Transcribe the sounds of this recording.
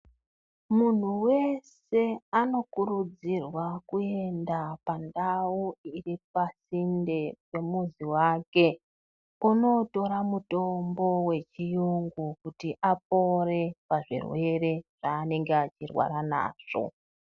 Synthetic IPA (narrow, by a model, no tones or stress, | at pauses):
mun̤uwe̞s | e̞ano̞kuɾud͡zirwakue̞ndapandauirip̚asindepe̞muziwake̞ | uno̞to̞ɾamuto̞mbo̞we̞t͡ʃijuŋɡukutiʔap̚o̞re̞paʐḭrwe̞re̞ʐ̥aːne̞ŋɡeat͡ʃirwa̰ɾana̰ːʐ̥o̞̰